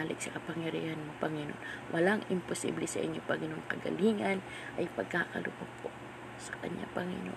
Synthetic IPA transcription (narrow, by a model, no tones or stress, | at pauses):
alɪk̚sɐkɐpɐŋjɐɾḭːhanmopɐŋɪno̰nwʔɐlaŋɪmpʊsḭːblɛsɐʔɪɲːopɐŋɪnoŋkɐɡɐ̰liːŋan | ʔɐjpɐɡ̚kaːkɐlʊpopʰo | sɐ̥kɐɲʔa̰pɐŋɪ̰no